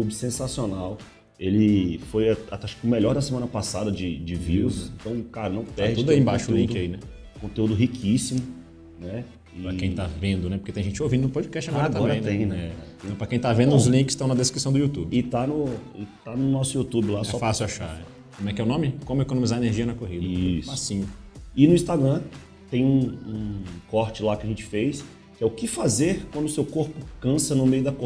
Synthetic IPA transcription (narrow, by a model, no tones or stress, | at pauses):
t̪ubɪsẽsasionaw | elɪfojaat̪ɛʃkʊmeʎɔɾd̪ɐsemɐ̃nɐpasad̪ɐd͡ʒɪd͡ʒɪviwsẽt̪ɐ̃w̃kaɾɐnɐ̃w̃p̪ɛhd͡ʒt̪ud̪aĩbaʃʊulĩkd̪ainɛ | kõnt̪eud̪ʊɦikʰisimʊ | nɛ | pɾɐkẽj̃t̪avẽnd̪ʊnɛpoɾket̪ẽj̃ʒẽt͡ʃowvĩd̪ʊnʊpod͡ʒikɛst͡ʃaɡɔɾɐɡ̪t̪ɐɔɾbɾɐ̃j̃nẽj̃nɛɛt̪ẽɐ̃w̃pɾɐkẽj̃t̪avẽnd̪ʊʊzlĩkɪst̪ɐ̃w̃nɐd̪eskɾisɐ̃w̃d̪ʊut̪ubɪɪt̪anʊɪt̪anʊnɔsʊiut̪ubɪlasɛɔfasɪwaʃaɾɛ | kõmɛkɪɛʊnõmɪkõmʊekonõmizaɾeneɾʒiɐnɐkoɦid̪ɐspasĩɲʊɪnʊĩst̪aɡɾɐ̃ | t̪ẽj̃ũũkɔɾt͡ʃɪlakɪɐʒẽt͡ʃɪ̥fejs | kɪɛʊkɪfazeɾkwɐ̃nd̪ʊsewkoɾpʊkɐ̃sɐnʊmejʊd̪ɐko